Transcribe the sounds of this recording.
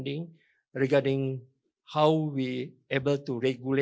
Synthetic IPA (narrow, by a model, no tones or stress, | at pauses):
ndĩŋ | ɹiɡadĩŋ | hawwi | ebəltuɹɛɡjule